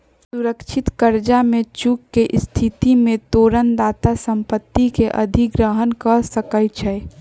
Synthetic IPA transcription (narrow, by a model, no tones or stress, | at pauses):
suɾəkʃʰɪt̪kəɾd͡ʒamẽt͡ʃukːeʔst̪ʰit̪imẽt̪oːɾənd̪aːt̪asəmpət̪ːikeʔə̰d̪ʱiɡɾəɦənkəsəkəjt͡ʃʰɛ